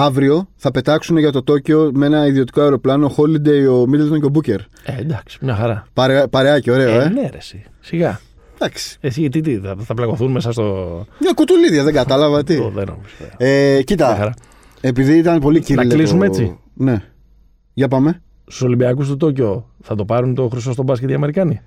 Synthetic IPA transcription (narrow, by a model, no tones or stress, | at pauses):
ɐvɾio̞θɐpe̞t̪ɐksune̞ʝɐt̪o̞t̪o̞ceo̞mee̞nɐiðiot̪i̥ko̞ɐeɾoplɐno̞xo̞lid̪e̞jo̞mid̪elt̪o̞nceobuce̞ɾ | ed̪ɐksi̥mɲɐxɐɾɐpɐɾepɐɾe̞ɐceo̞ɾe̞oeneɾesi | siɣɐ | d̪̥ɐksi̥esiit̪it̪̬iɐθɐplɐɣo̞θunmesɐst̪oɐkut̪uliðʝɐðeŋɡɐt̪ɐlɐvɐt̪ioðḛno̰pusfeecit̪ɐɐxɐɾɐ | epiðiit̪ɐnpo̞licinɐllisumeet͡si | ne̞ | ʝɐpɐme̞ | su̥so̞limbiɐkus̬t̪ot̪̬o̞co̞θɐt̪o̞pɐɾunt̪o̞xɾis̬o̞st̪o̞bɐs̬cet̪iɐme̞ɾikɐni